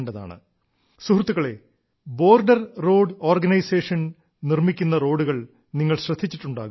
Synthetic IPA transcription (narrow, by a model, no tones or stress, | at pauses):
ɳɖɐða̰ːɳɨ̰ | suhrut̪ːuɣɐɭe̞̰ | bo̞ːrɖɐrːo̞ːɖo̞ːrɡɐnɐjse̞ːʂɐn | nirmikʲːunːɐro̞ːɽuɣɐɭ | niŋːɐɭɕrɐd̪ʱːit͡ɕːiʈːuɳɖa̰ːɣum